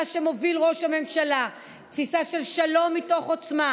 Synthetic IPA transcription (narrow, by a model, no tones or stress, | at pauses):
ʃemo̞vilʁoʃhame̞mʃala | t̪fisaʃe̞lʃalo̞mːito̞χot͡sma